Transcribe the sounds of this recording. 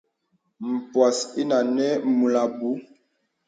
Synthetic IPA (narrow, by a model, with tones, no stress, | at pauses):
m̩˨pwa˨si˦na˨nɛ˦mu˨la˨bu˨˦